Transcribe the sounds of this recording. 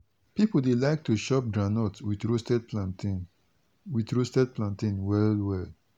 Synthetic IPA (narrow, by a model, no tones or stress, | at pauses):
pipəl̩delajk̚tʰuʃɔp̚dɹanɔtswidɹustɛd̚pʰlãntĩn | widɹustɛd̚pʰlãntĩnwɛlwɛl